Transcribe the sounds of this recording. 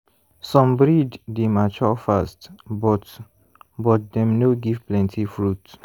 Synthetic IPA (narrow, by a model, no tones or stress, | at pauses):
sɔ̃mbɹiddemat͡ʃɔfastbɔt | bɔt̚dɛ̃mnoɡivplɛ̃ntʰifɹut